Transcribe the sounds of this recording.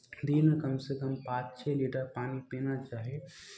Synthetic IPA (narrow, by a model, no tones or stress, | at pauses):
d̪inkəmsekəmpãːt͡ʃt͡ʃʰɛliʈəɾpaːnipenat͡ʃaːɦe